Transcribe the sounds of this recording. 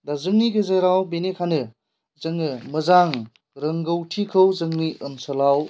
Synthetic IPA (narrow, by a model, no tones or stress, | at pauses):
dazɯŋniɡɯzajɾawbenekʰanɯ | zɯŋɯmɯzaŋ | ɾɯŋɡɯwtʰikʰɯwzɯŋniʔɯnsɐlaw